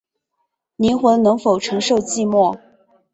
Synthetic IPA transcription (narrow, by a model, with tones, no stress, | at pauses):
ni˧˥nxwə˧˥nɤ˧˥ŋfo˨˩ʊʈ͡ʂʰɤ˧˥ŋʂo˥˧ʊt͡ɕi˥˧mwɔ˥˩